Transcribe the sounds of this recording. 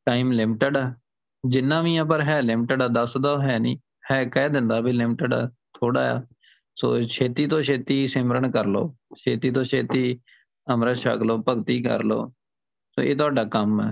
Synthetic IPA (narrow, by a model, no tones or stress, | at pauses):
ʈaːiːmlɪmɪʈəɖɛː | d͡ʒɪnːãːʋiːãːp̬əɾɦɛːlɪmʈəɖaːd̪əsd̪aːɦɛːnḭ̃ː | hɛːkɛːd̪ɪnd̪aːbiːlɪmɪʈəɖaːt̪ʰoːɽa̰ːa̰ː | so̰ːʃʰeːt̪iːt̪õːʃʰeːt̪iːsɪmɾəɳkəɾlo̰ːʃʰeːt̪iːt̪̬õːt͡ʃʰeːt̪iː | əmɾəʃə̰kloːpəɡt̪iːkə̰ɾlo̰ː | so̰ːḛːt̪ʊaːɖaːkəmɛ̰ː